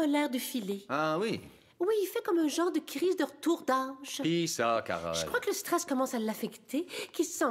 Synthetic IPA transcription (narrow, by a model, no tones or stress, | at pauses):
ɔlɛːʁd̪əfileawi | wiːlfɛkɔmɛ̃ʒɑ̃ʁd̪əkʁizd̪ʁət̪uʁd̪aʒ̥pisaka̰ʁa̰ʒəkχwakələst̪χɛskɔmɑ̃salːafɛkt̪ʰekilsɑ̃